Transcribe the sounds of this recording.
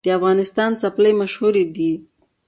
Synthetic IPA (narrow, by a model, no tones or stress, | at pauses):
d̪̥əafɣɑnɪst̪ɑnt͡sapləjmaʃhuɾed̪i